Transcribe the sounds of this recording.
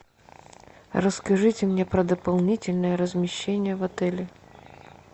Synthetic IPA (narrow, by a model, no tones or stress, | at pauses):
rəskɐʐɨtʲɪmnʲepɾəd̪əpɐlˠnʲitʲɪlʲnɨjəɾəzmʲɪɕːenʲɪjəvɐt̪ɛlʲɪ